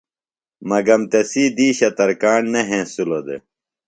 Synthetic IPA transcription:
mɐɡɐmt̪ɐsiːd̪iːɕɐt̪ɐɾkaːɳnɐɦẽːsulod̪ḛ

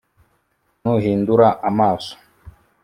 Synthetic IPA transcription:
nuɦinduɾaʔamaːso̥

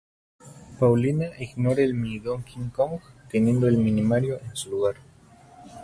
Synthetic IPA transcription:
pawlinaʔiɣnoɾaelmiðoŋkiŋkoŋɡt̪enje̞nd̪oelminimaɾjoʔensuluɣaɾ

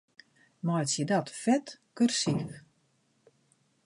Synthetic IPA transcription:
mɔjtsjədɔtfɛtkørsik

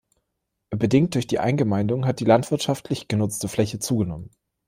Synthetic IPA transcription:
bədɪŋt̚d̥ʊɐçd̥iːʔa̰ɪnɡəmaɪndʊŋɦat̚d̥iːlantv̥ɪɐtʃaftʰlɪçɡ̥ənʊt͡stəflɛçət͡suːɡənɔmən

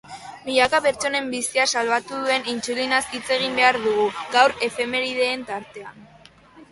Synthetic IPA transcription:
miʎakape̞ɾt͡so̞ne̞mbisiasalβat̪uðue̞nint͡sulinasit͡se̞ɣ̞imbe̞aɾðuɣ̞uɡawɾe̞fe̞me̞βiðe̞ːnt̪aɾt̪e̞a̰n

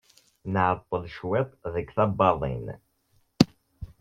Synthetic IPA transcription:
nəʕət̪ˤːəlʃwɛt̪ˤðəkθæbɑðˤḭn

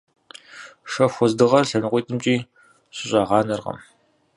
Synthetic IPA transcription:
ʂɐxʷɔzdɨʁɐrɬɐnɨqʷijːtʼʰɨmt͡ʃʼiː | ɕɪɕʼɑːʁɑːnɐrʁɐ̰m

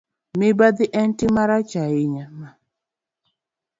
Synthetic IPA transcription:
mɪbad̪iʔɛntimaɾat͡ʃajɪɲama

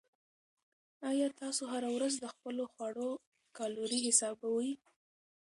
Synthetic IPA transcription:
ɑjɑt̪ɑsoɦaɾawɾazd̪əxpəloxwaɽo | kɑloɾiɦɪsɑbawaji

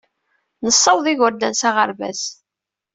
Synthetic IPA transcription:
nəsˤːəwðˤiʝəɾd̪ænsaʁəɾvæ̰s

